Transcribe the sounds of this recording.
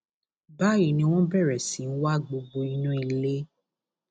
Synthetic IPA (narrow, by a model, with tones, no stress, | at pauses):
ba˦ji˦˨nĩ˧w̃ɔ̃˦bɛ˦˨ɾɛ˨sĩ˨˦n̩˦wa˦ɡ͡bo˧ɡ͡bo˧i˧˦nũ˦i˧˨le˦